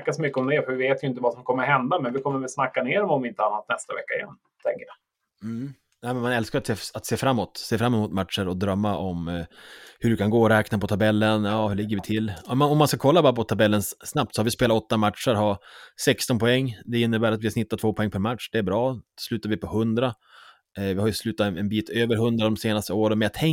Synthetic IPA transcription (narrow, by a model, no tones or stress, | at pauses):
kːasɔmʏkːəɔmd̪ɛfœɾvɪveːt̪jʏɪnt̪̬əvasɔmkʰɔmːəɾhɛnd̪amɛnvɪkʰɔmːəɾvɛlsnakːaneːɾɔmɔmvɪɪnt̪əanːat̪nɛst̪a̰vɛ̰kːaɪ̰jɛ̰nː | t̪ʰɛ̰ŋkəjɑ | m̩ | nɛɪmɛnmanɛlskaɾat̪seːat̪seːfɾamːɔt̪seːfɾamːɛmuːt̪mat̪ʂəɾɔd̪ɾœmːaʔɔm | hɵɖɵkʰanɡoːɾɛːknapɔt̪ʰabɛlːənjɑːhʉɭɪɡːəɾvɪt̪ʰɪlːmaɔmːanskakʰɔlːabɑːɾapɔt̪ʰabɛlːənsːnap̚t̪sɔhaɾvɪspeːlaɔt̪ːamat̪ʂəɾɦasɛkst̪ɔnpʰɔɛŋːd̪ɛɪnːəbæːɾat̪vɪhasnɪt̪ːat̪ʰvoːpʰɔɛŋːpʰæɾmat̪ʂd̪̥ɛæɾbɾɑːslʉ̟ːt̪aɾvɪpʰɔhɵnd̪ɾa | vɪhaɾjɵslʉ̟ːt̪aɛnbiːt̪ʰøːvəɾɦɵnd̪ɾad̪ɔmseːnast̪əoːɾənmɛnjat̪ʰɛŋ